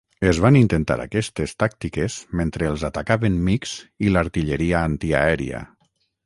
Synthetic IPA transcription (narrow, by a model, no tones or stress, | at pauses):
ezβanint̪ent̪a̰ɾa̰kɛst̪est̪ak̚t̪ikezment̪ɾeːlˠzat̪akaβenmikz̥ilaɾt̪iʎeɾiaant̪ia̰ɛɾḭa̰